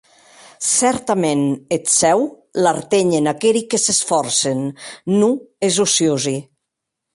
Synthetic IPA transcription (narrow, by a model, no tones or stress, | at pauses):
sɛɾt̪amenet̪sɛw | laɾt̪eɲenakeɾikesesfɔɾsenːuezusiozi